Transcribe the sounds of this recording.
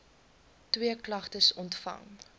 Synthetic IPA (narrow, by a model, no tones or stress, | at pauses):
twiəklɐχtəsɔntfɐ̰ŋ